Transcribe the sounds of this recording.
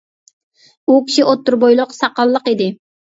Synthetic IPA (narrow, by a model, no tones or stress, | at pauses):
ukʲʰi̥ʃiʔot̪ːuɾbojlˠʊqsɑqɑlˠːəqid̪ɪ